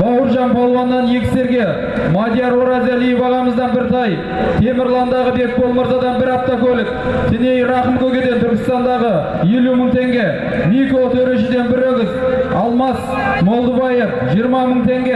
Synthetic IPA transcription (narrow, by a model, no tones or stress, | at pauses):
bɑwəɾʒɑnbʰolˠwɑnːɑnje̞kʲɪ̥se̞ɾɡʲe̞ | mɑd̪ʲjɑɾwoɾɑzelijbɑʁɑməzd̪ɑnbɪɾt̪ʰɑj | t̪ʰe̞mɪɾlˠɑnd̪ɑʁəbe̞k̚bo̞lˠməɾd̪ɑd̪ɑnbɪɾɑp̚t̪ɑkʲʰɵlɪk̚ | t̪ʰɪne̞jɾɑχəmkʲʰɵɡʲe̞d̪e̞nt̪ʰʏɾkʲɪ̥st̪ɑnd̪ɑʁə | je̞luməɴt̪ʰe̞ŋɡʲe̞ | nikolˠt̪ʰɵɾeʃɪd̪e̞nbɪɾɵɡʲɪzɑlˠmɑs | molˠd̪əbɑjefʒijəɾmɑməɴt̪ʰe̞ŋɡʲe